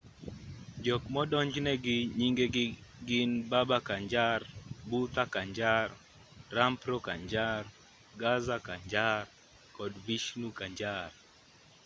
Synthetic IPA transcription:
d͡ʒɔkmɔdɔɲd͡ʒnɛɡɪɲiŋɡeɡɪnbabakaɲd͡ʒarbut̪akaɲd͡ʒar | rampɾɔkaɲd͡ʒar | ɡazakaɲd͡ʒar | kɔdviʃnukaɲd͡ʒar

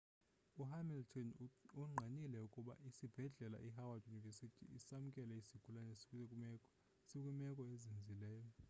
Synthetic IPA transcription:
uɦamiltʰɔnuŋ͡ǃʱanilɛukʼuɓa̰ʔisib̥ʱɛɮɛla̰ʔiɦawadjunivɛsitʰḭisamukʼɛlɛisiɡ̥ʱulanɛsi̥kʼuekʼumɛkʼɔ | sik̬ʼumɛkʼɔezind͡zʱilɛːjɔ

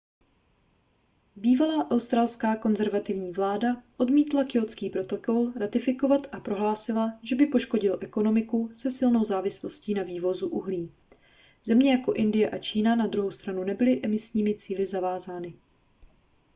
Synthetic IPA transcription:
biːvalaːʔawst̪ɾaːlskaːko̞nzɛɾvat̪ɪvɲiːvlaːdaʔo̞dmiːt̪lakɪo̞t͡skiːpɾo̞t̪o̞ko̞lɾat̪ɪfɪko̞vat̪ʔapɾo̞ɦlaːsɪlaʒɛbɪpo̞ʃko̞ɟɪlʔɛko̞no̞mɪkusɛsɪlno̞wzaːvɪslo̞sciːnaviːvo̞zuʔuɦliː | z̥ɛmɲɛjako̞ʔɪndɪjɛʔat͡ʃiːnanad̪ɾuɦowst̪ɾanunɛbɪlɪʔɛmɪsɲiːmɪt͡siːlɪzavaːzaːnɪ

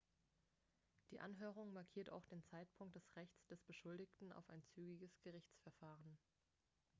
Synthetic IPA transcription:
d̥iːʔa̰nɦøːʁ̞ʊŋmaɐkʰiːɐtʰa̰ʊxd̥eːnt͡saɪtpʰʊŋk̚t̚d̥ɛsʁɛçt͡sd̥ɛsb̥əʃʊldɪçtn̩a̰ʊfa̰ɪnt͡syːɡɪɡəsɡ̥əʁɪçt͡sfɛɐfaːʁən

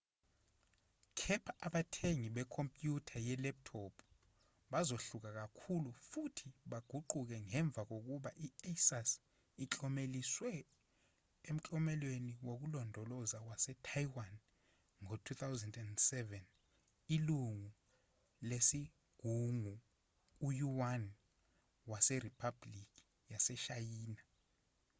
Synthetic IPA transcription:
kʰɛpʰaʔaɓatʰeŋiɓɛkʰompʼjutʰajɛlɛp̚tʰɔpʰ | ɓazoɬuk̬ak̬akʰulufutʰiɓaɡ̥ʱuǃuk̬ɛŋɛɱb̪vʱak̬ok̬uɓaʔiasas | it͡ɬʼɔmeliswɛ | em̩t͡ɬʼɔmɛlweniwok̬ulɔndʱɔlɔzakwasɛtʰajwan | ŋotʰut̪ʰawzɛndɛndsɛvɛn | iluŋu | lesi | ɡ̥ʱuŋu | ujuwan | wasɛripʰablik̬i̥ | jasɛʃajiːna

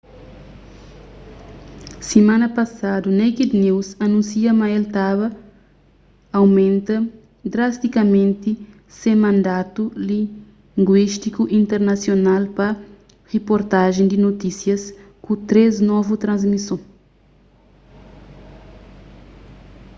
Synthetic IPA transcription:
simãnɐpɐsad̪unejkid̪niwsɐnũnsiɐmɐelt̪aβɐ | wmẽnt̪ɐ | d̪ɾast̪ikɐmẽnt̪i | semɐ̃nd̪at̪uli | ŋɡwiʃt̪ikuʔĩnt̪ɛɾnɐsjonalpɐ | ʁepoɾt̪aʒẽj̃d̪inot̪isjɐs | kut̪ɾeznɔvut̪ɾɐ̃zmisõ

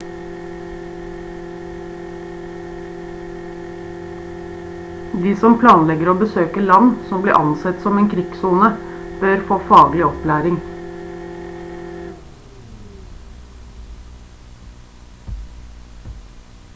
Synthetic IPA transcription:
d̪iːsɔmpʰlɑːnlɛɡəɾoːbəsøːkəlɑnsɔmblḭːʔɑnsɛt̪sɔmeːnkʰɾɪɡ̥suːnəb̥øːɾfoːfɑːɡlɪɔplæːɾɪŋ

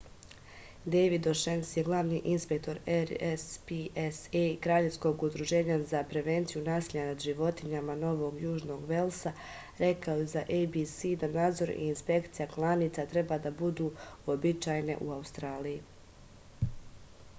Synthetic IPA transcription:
d̪ejʋid̪oʃensjeɡlˠaʋniʔinspek̚t̪o̞ɾeɾspiesekɾaːʎe̞fsko̞ɡud̪ɾuʒe̞ːɲazapɾe̞ʋe̞nt̪sijunaːsiʎanad̪ʒiʋo̞t̪iɲamano̞ʋo̞ɡjuːʒno̞ɡʋe̞lˠsa | ɾe̞kaojezaʔejbisid̪anaːd̪zo̞ɾḭːnspe̞kt̪sijaklˠaniːt̪sat̪ɾe̞baːd̪abud̪uːobit͡ʃaːjne̞̰ʔuaust̪ɾaːliji

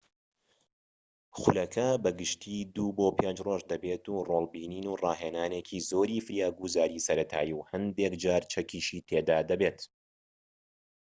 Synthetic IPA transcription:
xʊlɐkʰɐbɐɡɨʃt̪ʰiːd̪uːboːpʰend͡ʒroːʒd̪ɐbet̪uːrolˠbiːniːnuːrɑːheːnaːnekʰiːzoːɾiːfɨɾjaːɡuzaːɾiːsɐɾɐt̪ʰa̰ːjiwhɐnd̪ekd͡ʒaːɾt͡ʃʰɐkiːʃiːt̪ʰed̪aːd̪ɐbeːt̪

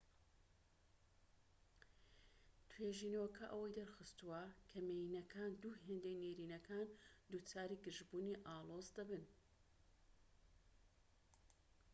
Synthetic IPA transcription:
t̪ʰweʒiːnwɐkʰɐʔɐwɐjd̪ɐɾxɨst̪uwɐkʰɐmejinɐkʰaːnd̪uːɦeːnd̪ejneɾiːnɐkʰaːnd̪uːt͡saːɾiːɡɨʒbuːniʔɑːlˠozd̪ɐbɨn

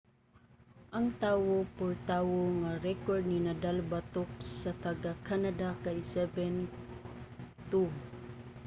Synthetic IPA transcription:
ʔɐŋt̪aːwopʊɹt̪aːwoŋaɾɛkoɹd̪̚ninad̪albat̪ʊk̚sɐt̪ɐɡakanad̪akasɛbɛn | t̪u

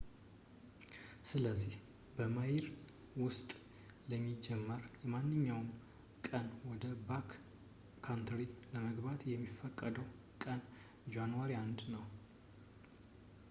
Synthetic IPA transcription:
sɨləzːih | bəmajiɾ | wʊst̪ʼ | ləmːid͡ʒɛmːəɾjɛmanːɨɲːawn | kʼənwɔd̪əbakʰː | ant̪ʰɾiləməɡbat̪jɛmːifːəkʼːəd̪əw | kʼən | d͡ʒanwaɾiand̪nəw

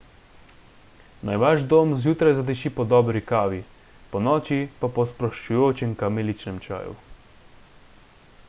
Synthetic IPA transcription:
najʋaʒd̪oːmzjuːt̪ɾajzad̪ɛʃipɔd̪ɔːbɾikaːʋi | pɔnɔːt͡ʃipapɔspɾɔʃt͡ʃujoːt͡ʃɛŋkamelit͡ʃnɛmt͡ʃa̰ːjṵ

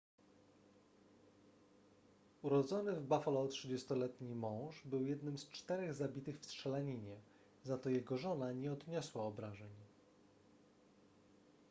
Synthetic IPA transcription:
uɾɔd̪zɔnɘvbafɔlɔtʂɘd͡ʑɛst̪ɔlɛt̪ɲimɔ̃w̃ʂbɘwjɛd̪nɘmst͡ʂt̪ɛɾɛɣzabʲit̪ɘxfstʂɛlaɲiɲɛ | zat̪ɔjɛɡɔʐɔnaɲɛɔd̪ɲɔswaɔbɾaʐɛɲ

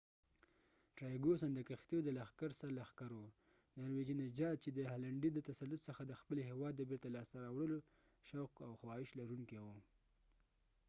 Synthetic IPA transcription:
ʈɾɑjɡosand̪əkaxt̪iod̪əlaxkaɾsaɾlaxkaɾo | nɑɾwed͡ʒinad͡ʒɑt̪̚t͡ʃed̪əhalaɳɖid̪ət̪asalːʊt̪səxad̪əxpəlhewɑd̪ːəbeɾt̪alɑst̪aɾɑwɽəlo | ʃawkawxwɑhɪʃlaɾuŋkewu

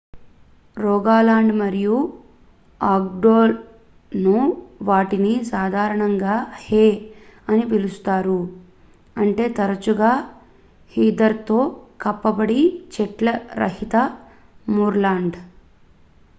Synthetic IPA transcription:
ɾɔːɡaːlaːɳɖmɐɾiju | aːɡ̚ɖoːl | nuʋaːʈinisaːd̪ʱaːɾɐɳɐŋɡaːheːɐnip̬ilust̪aːɾu | ɐɳʈe̞ːt̪ɐɾɐt͡ʃuɡaː | hiːd̪ɐɾt̪o̞ːkɐpːɐbɐɽit͡ʃɛʈlɐɾɐ̰ɦit̪ɐ | muːɾlaːɳɖ

